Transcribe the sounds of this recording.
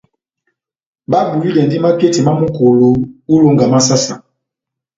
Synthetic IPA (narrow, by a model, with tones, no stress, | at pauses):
ba˦bu˨li˦lɛ˨ndi˦ma˦ke˦ti˨ma˦mu˦ko˨lo˦u˦lo˦ŋɡa˨ma˦s̬a˦sa˨